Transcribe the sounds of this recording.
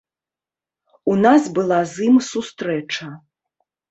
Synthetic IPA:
unazbɨlˠazɨmsust̪ɾɛt͡ʂɐ

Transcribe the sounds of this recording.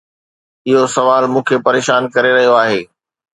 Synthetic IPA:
ɪɦosɐʋaːlmũːkʰepɐɾeːʃaːnkɐɾeɾɐɦijoaːɦeː

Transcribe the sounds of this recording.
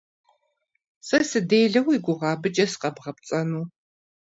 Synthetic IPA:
sɐsɨdeːjɮɐwiɡʷʊʁɑːbɨt͡ʃʼɐsqɐbʁɐp̚t͡sʼɐnuː

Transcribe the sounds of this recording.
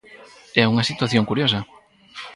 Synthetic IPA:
ɛuŋɐsit̪waθjõŋkuɾjosɐ

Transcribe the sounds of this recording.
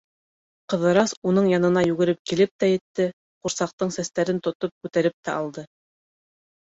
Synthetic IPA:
qɤ̆ðɤ̆ɾɑsunɤɴjɑnɤ̆nɑjʉɡɘ̆ɾɘp̚kilɘp̚t̪æjɘ̆t̪ːɘ | quɾsɑq̚t̪ɤɴsæst̪æɾɘnt̪ŏt̪op̚kʉt̪æɾɘp̚t̪æʔɑlˠd̪ɤ

